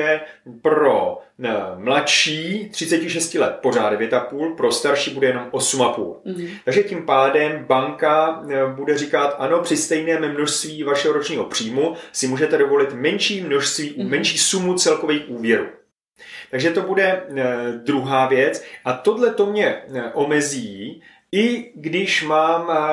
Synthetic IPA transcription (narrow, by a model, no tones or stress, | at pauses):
ɛpɾo̞ | mlaʃiːt̪r̝̥ɪt͡sɛcɪʃɛscɪlɛt̪̚po̞r̝aːdɛvjɛt̪apuːlpɾo̞st̪aɾʃiːbudɛjɛno̞mʔo̞sumapṵːlt̪aɡʒɛcimpaːdɛmbaŋkabudɛrɪkat̪ʔano̞pr̥ɪst̪ɛjnɛːmmno̞ʃst̪viːvaʃɛɦo̞ɾo̞t͡ʃɲiːɦo̞pr̝̥iːmusɪmuːʒɛt̪ɛdo̞vo̞lɪt̪mɛnʃiːmno̞ʃst̪viːumɛnʃiːsumut͡sɛlko̞viːxʔuːvjɛɾṵː | t̪aɡʒɛt̪o̞budɛ | d̪ɾuɦaːvjɛt͡sʔat̪o̞dlɛt̪o̞mɲɛʔomɛziː | ʔɪɡdɪʃmaːm